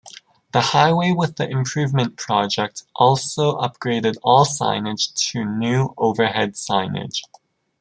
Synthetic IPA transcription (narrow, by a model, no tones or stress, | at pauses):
ðəhaɪweɪwɪðiʔɪ̃mpʰɹ̥ʉːvmə̃npʰɹ̥ɒd͡ʒɛk̚tʔɔˑlˠsoʊʔʌp̚ɡ̥ɹeɪdɪdɔːlˠsã̰ɪ̃nɪd̥ʒ̥tʰənjʉːoʊvəɦɛd̥sãɪ̃nɪ̰d̥ʒ̥